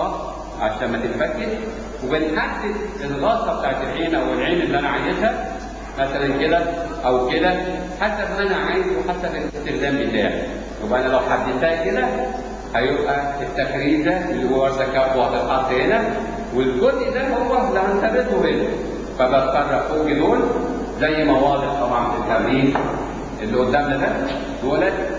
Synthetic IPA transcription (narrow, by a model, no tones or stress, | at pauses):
ɑ | ʕaʃæːmmæt̪et̪fæɡːeɾʃ | webenħad̪ːed̪elɣɑːsˤːɑbet̪aːʕet̪elʕiːnʔæwelʕiːnelːiʔænæʕajezhæ | mæsælænked̪æʔæwkelæ | ħasæbʔænæʕajezweħasæbelʔest̪exzæːmbet̪æːʕḭ | jobæʔænælæwħad̪ːet̪æːked̪æ | hæjebʔæet̪ːæxɾiːbd̪æʔelːihoːwæɾsækːæɾfwɑd̪ˤelħɑt̪ːhenæ | welɡod̪ʔid̪æmhowæħd̪æhænt̪æbet̪hoben | fæbæt̪fɑrˤːɑʔfoːɡed̪oːl | zæjːmɑwɑːd̪ˤeʔt̪ˤɑbʕɑnfit̪ːæɣɾiːd | ʔelːiʔod̪ːæmnæd̪æ | d̪oːælæ